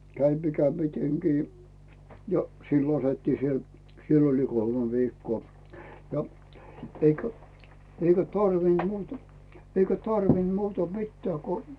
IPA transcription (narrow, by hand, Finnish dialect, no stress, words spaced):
kæin mikæ miteŋkiː jo silːo s otetːiː siel sielː oli kolmĕ ʋiːkːoː jɑ eikæ eikæ tɑrʋind̥ muːtɑ eikæ tɑrʋind̥ muːtɑ mitːæː ku